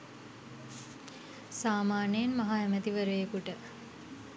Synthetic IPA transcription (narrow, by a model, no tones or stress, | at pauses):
saːmaːnejenmaɦaɛmət̪iʋəɾəjekuʈə